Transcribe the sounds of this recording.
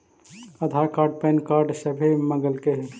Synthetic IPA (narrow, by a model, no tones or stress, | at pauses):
əd̪ʱakaːɾɖ̚pɛːnkaːɾɖsəbʱiməɡəlkeɦɛ